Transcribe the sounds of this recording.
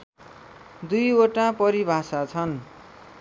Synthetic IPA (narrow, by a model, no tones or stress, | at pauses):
d̪ujoʈapʌɾibʱasat͡sʰʌn